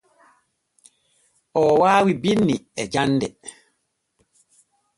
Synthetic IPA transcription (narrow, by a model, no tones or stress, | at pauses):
ɔwawibinːḭɛd͡ʒandɛ̰